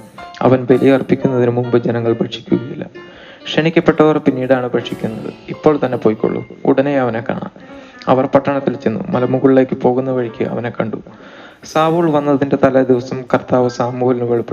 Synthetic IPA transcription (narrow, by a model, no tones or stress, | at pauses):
ɐ̰ʋɐnʋelijɐɐrpːikʲːunːɐðinɨmumbɨd͡ʑenɐŋːɐɭbɐʈʂi̥kʲːuɣɐjilːɐ̰ | kʂenikʲːɐpːe̞ʈːɐʋɐrpinːiːɽaːɳɨbeʈʂikʲːunːɐðɨ̰ipːoːɭt̪ɐnːe̞po̞ːjikːo̰ɭːṵṵɽɐnejɐʋɐne̞kːa̰ːɳa̰n | ɐ̰ʋɐrpɐʈːɐɳɐt̪ːilt͡ɕːenːṵmɐlɐmuɣuɭile̞ːkʲːɨpo̞ːɣunːɐʋɐɻikʲːɨ̰ʔɐ̰ʋɐne̞kːɐɳɖṵ | saːʋuːɭʋɐnːɐðinde̞t̪ɐlɐd̪iʋɐsɐmkɐrt̪aːʋɐsaːmuːhɐlinɨʋeɭupːi